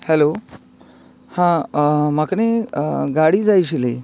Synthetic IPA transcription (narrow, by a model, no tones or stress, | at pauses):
hɛlo | hãmakneɡaɽiːd͡zajɕ̬ile